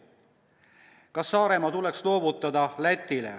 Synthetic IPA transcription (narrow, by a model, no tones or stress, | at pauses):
kɑsːɑːɾe̞mɑt̪ule̞kslo̞ːbut̪ːˑɑd̪ɑlæt̪ʲːˑilḛ